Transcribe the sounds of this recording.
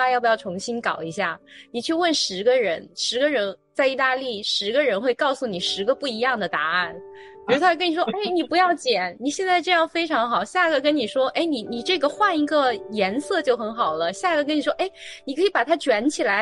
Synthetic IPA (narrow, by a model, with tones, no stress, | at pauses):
a˥jɑ˥˩pu˧jɑ˥˩ʊʈ͡ʂʰʊ˧˥ŋɕi˥nkɑ˨˩ʊi˧˥ɕja˥˩ni˨˩t͡ɕʰy˥˧wə˥˩nʂɻ̩˧˥ɡə˧ɻə˧˥nʂɻ̩˧˥ɡə˧ɻə˧˥nt͡sa˥˧ɪi˥˧t̪a˥˧li˥˩ʂɻ̩˧˥ɡə˧ɻə˧˥nxwe˥˧ɪkɑ˥˧ʊsu˥˩ni˨˩ʂɻ̩˧˥ɡə˧pu˥˩i˧˥jɑ˥˩ŋd̪ə˩t̪a˧˥a˥˩n | pi˨˩ɻu˧˥˧t̪ʰa˥˧kə˥n˨˩ʂwɔ˥˩e˥˩ɪni˨˩pu˧˥jɑ˥˩ʊt͡ɕjɛ˨˩˦nni˨˩ɕjɛ˥˧nt͡sa˥˧ɪʈ͡ʂɤ˥˧jɑ˥˩ŋfe˥ɪʈ͡ʂʰɑ˧˥ŋxɑ˨˩ʊɕja˥˩˧ɡə˩kə˥nni˨˩ʂwɔ˥ʔe˥˩ɪni˨˩ni˨˩ʈ͡ʂɤ˥˩ɡə˩xwa˥˩ni˧˥ɡə˧jɛ˧˥nsɤ˥˧t͡ɕjo˥˩ʊxə˧˥nxɑ˨˩ʊlə˦ɕja˥˩ɡə˩k̬ə˥ni˨˩ʂwɔ˥ʔe˥˩ɪ | ni˨˩kʰɤ˧˥i˧˥pa˨˩t̪ʰa˥t͡ɕɥɛ˧˥nt͡ɕʰi˨˩la˧˥ɪ